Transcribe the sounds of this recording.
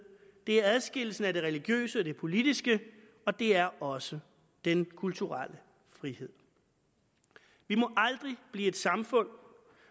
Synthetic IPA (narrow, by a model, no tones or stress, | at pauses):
d̥e̝æɐæðˠsɡ̥e̝l̰̩sn̩æde̝ʁɛliɡ̥jø̰ːsəd̥e̝pʰo̝lid̥isɡ̥ə | ɒ̽d̥e̝æɐɒ̽sə | d̥enkʰult͡sʰuʁalə | fʁihe̝ð̰ˠ | ʋimɒ̽ʔɑ̈ld̥ʁib̥liːe̝d̥sɑ̈mfɔ̽n̰